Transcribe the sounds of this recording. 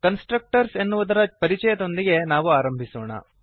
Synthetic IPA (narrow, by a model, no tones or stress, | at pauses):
kɐnsʈɾɐk̚ʈɐɾse̞nːuʋud̪ɐɾɐpɐɾit͡ʃɛjɐd̪o̞nd̪iɡe̞naːʋuaːɾɐmbʱisɔːɳɐ̰